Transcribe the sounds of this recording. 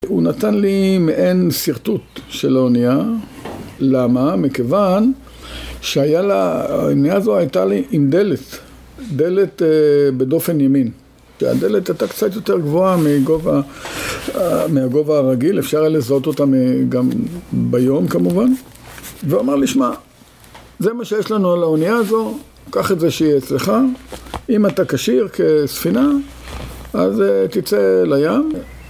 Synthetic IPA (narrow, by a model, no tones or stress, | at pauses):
unat̪anlimeʔensiʁt̪ut̪ʃelaonija | lamamikevan | ʃeajalaonijazo̞ajt̪aliʔimd̪e̞let̪ | d̪e̞le̞t̪bedo̞fe̞njamin | ʃea̰d̪elet̪ajtakt͡sat̪jo̞teʁɡvo̞amiɡova | miaɡo̞vaːʁaɡilefʃaʁlezo̞to̞tamɡambajo̞mkamuvan | veomeʁliʃma | ze̞maʃejeʃlanualaonijaːzo̞ | kaχezeʃeiet͡sle̞χa | imatakaʃiʁkʰe̞sfina | azetit͡se̞lajam